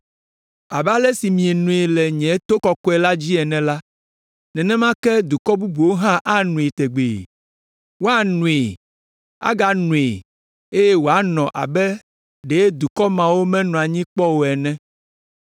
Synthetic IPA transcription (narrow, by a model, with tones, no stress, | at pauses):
a˨ba˦lɛ˦si˨mĩ˨e˨nũ˨e˨lɛ˨ɲɛ̃˨˦t̪o˦kɔ˨kɔ˦ɛ˨la˦d͡ʑi˦ɛ˨nɛ̃˨la˦ | nɛ̃˨nɛ̃˦mã˦kɛ˦d̪u˨kɔ˦bu˦bu˨wo˦ɦã˦ʔa˦nũ˨e˨t̪e˨ɡ͡bḛ˨ | wo˦a˦nũ˨e˨ | a̰˦ɡa˦˨nũ˨e˨ | e˦jɛ˦wo˨a˦nɔ̃˨ʔa̰˨bɛ˦ | ɖe˨e˦d̪u˨kɔ˦mã˨wo˦mɛ̃˦nũ˨a˨ɲĩ˦k͡pɔ˦wo˨ɛ˨nɛ̃˦